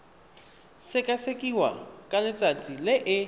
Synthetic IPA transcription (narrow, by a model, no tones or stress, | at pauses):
sɪkʼasekʼiwa̰kʼalɪt͡sʼat͡sʼilɪʔɪ